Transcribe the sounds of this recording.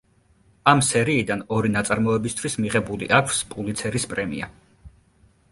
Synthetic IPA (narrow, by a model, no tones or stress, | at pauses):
amsɛɾiːd̪anɔɾinat̪sʼaɾmɔɛbist̪ʰwismiʁɛbulḭʔakʷʰspʼulit̪sʰɛɾispʼɾɛmḭa̰